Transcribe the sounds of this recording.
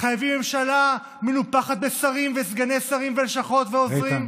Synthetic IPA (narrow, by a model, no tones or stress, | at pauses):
χajavimːe̞mʃala | menupaχat̪̚besaʁimvesɡanesaʁimvelʃaχo̞t̪veozʁim